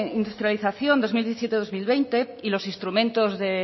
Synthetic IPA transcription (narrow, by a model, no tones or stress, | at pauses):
ind̪ust̪ɾjaliθaθjond̪o̞zmiljeθisjet̪eðozmilβejnt̪e̞ | ilo̞sinst̪ɾumẽnt̪ozðe